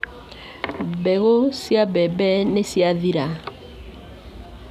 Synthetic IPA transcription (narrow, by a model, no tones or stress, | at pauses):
bɛɣosiabɛbɛnesiaðiɾa